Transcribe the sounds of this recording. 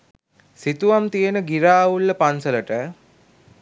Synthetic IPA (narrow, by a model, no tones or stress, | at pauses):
sit̪uʋamt̪ijenəɡiɾaːulːəpansələʈə